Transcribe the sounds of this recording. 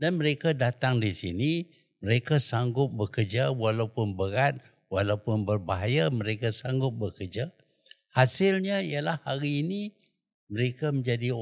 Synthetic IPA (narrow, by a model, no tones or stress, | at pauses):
danməɾekadat̪aŋdisini | məɾekasaŋɡʊp̚bəkərd͡ʒawalawpʊnbəɾat̪̚ | walawpʊnbərbaɦajaməɾekasaŋɡʊp̚bəkərd͡ʒa | hasɪlɲaijalahːaɾiːni | məɾekaməɲd͡ʒadi